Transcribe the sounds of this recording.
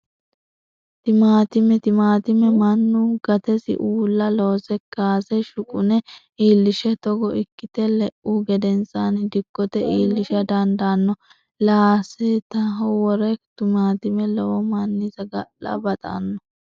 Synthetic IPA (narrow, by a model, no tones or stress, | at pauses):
t̪ɪmaːt̪ɪmɛt̪ɪmaːt̪ɪmɛmɐnːuɡ̥ɐt̪ɛsɪ̰ʔuːlːɐloːsɛkːaːsɛʃʊkʼʊnɛ | iːlːɪʃɛt̪ɔɡɔɪkːɪt̪ɛlɛʔuɡɛd̪ɛnsanɪd̪ɪkːɔt̪ɛʔiːlːɪʃɐd̪ɐnd̪anːɔ | laːsɛt̪ɐɦɔwɔɾɛt̪ʊmaːt̪ɪmɛlɔwɔmɐnːɪzɐɡɐʔːɐ̰bɐt̪ʼa̰nːɔ